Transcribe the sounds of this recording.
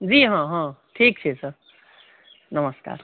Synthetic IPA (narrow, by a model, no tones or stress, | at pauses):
d͡ziɦãɦãʈʰik̚t͡ʃʰesʰə | nəməska̰ːɾ